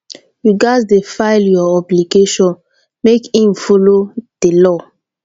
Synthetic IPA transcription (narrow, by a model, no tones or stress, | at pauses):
ɹiɡaddefaɪljɔɔbliɡeʃɔ̃n | mekĩmfɔlod̥elɔ